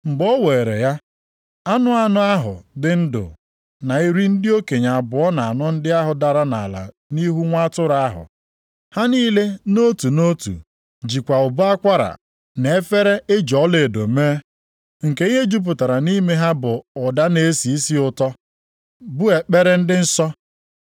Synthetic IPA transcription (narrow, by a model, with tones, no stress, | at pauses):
m̩˨ɡ͡bo˦we˨ɾḛ˨ja˦ | a˦nʊ˦a˦nʊ˦a˦ɦʊ̰˨dɪ˦n̩˦dʊ̰˨ | na˨i˦ɾi˦n̩˦dɪ˦o˦ke˨ɲa˨a˨bʊ˨ɔ˦na˨a˨nɔ˦n̩˦dɪ˦a˦ɦʊ˨da˨ɾa˦na˨la̰˨ | ni˦ɦu˦ŋʷa˦tʊ˦ɾa˦a˦ɦʊ̰˨ | ha˦niː˦le˦no˦tu˨no˦tṵ˨ | d͡ʒi˨kʷa˨ʊ˨bʊ˦a˦kʷa˦ɾa̰˨ | ne˨e˦fe˦ɾe˦e˦d͡ʒɔ˨˦le˨do˨meː˦ | ŋ̩˨ke˨i˦ɦe˦d͡ʒu˦p̬ʊ˨ta˨ɾa˨ni˦me˦ɦa˦bʊ˨ʊ˨da˦ne˨˦si˨i˦si˦ʊ˨tɔ˦ | bʊ˦e˨k͡pe˦ɾe˦n̩˦dɪ˦n̩˦sɔ˦